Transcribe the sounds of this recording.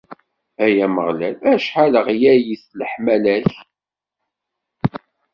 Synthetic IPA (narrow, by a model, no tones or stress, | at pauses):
æjæməʁlælæʃħaləʁjæjiθləħmælæç